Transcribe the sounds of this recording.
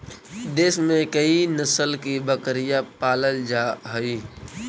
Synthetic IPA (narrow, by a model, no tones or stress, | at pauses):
d̪eːsmẽkəinəsəlkibəkɾijapaːləld͡ʒaːɦʊi